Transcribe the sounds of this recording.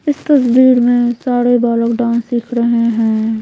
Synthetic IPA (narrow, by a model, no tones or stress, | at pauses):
ɪst̪ɐsbiːɾmẽsaːɾebaːləkɖãːnsiːkʰɾɐɦeɦɛ̃ː